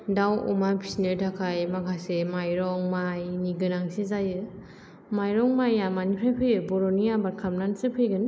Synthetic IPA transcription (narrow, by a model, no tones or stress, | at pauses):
dawṵmapʰi̥sneɾdʰakʰajmakʰasemajɾɔŋmajniɡɯnaŋsezajɯ | majɾɔŋmajamanipʰɾajpʰɯjɯbɔɾoniabaɾkʰamnansɯpʰɯjɡɯn